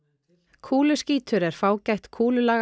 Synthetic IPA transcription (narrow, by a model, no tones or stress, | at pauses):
kʰuːlʏsciːt̪ʰʏɾɛɾ̥faːwcajht̪kʰuːlʏlaː